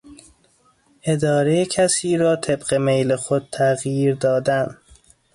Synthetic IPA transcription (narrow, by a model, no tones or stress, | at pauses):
ʔe̞d̪ɒːɾejecʰæsiːɾɒːt̪ʰe̞bɢemejlexod̪̥̚t̪ʰæɣjiːɾd̪ɒːd̪æn